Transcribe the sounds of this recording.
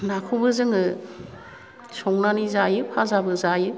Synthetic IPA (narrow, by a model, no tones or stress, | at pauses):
nakʰubɯzɯŋɯ | sɔŋnanizajɯpʰazabɯzajɯ